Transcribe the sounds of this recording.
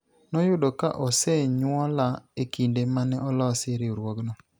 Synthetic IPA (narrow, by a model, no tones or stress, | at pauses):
nɔjʊdɔka̰ʔɔsɛɲwɔlaekindemanɛʔɔlɔsɪɾɪoɾwɔɡnɔ